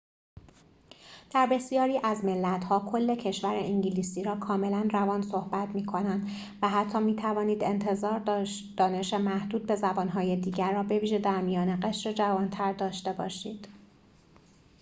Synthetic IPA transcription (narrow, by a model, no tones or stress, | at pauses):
d̪̥æɾbe̞sijɒːɾiːʔæzme̞lːæt̪hɒːkʰo̞lːe̞cʰe̞ʃvæɾeʔiɲɟiliːsiːɾɒːkʰɒːme̞lænrævɒːnso̞hbæt̪miːkʰo̞nænd̪ | væɦæt̪ʰːɒːmiːt̪ʰævɒːniːd̪e̞nt̪ʰe̞zɒːɾ | d̪̥ɒːne̞ʃe̞mæhd̪uːd̪̚be̞zæbɒːnɦɒːjed̪iːɟæɾːɒːbe̞viːʒe̞d̪æɾmijɒːneɢe̞ʃɾe̞d͡ʒævɒːnt̪ʰæɾd̪ɒːʃt̪e̞bɒːʃiːd̪̥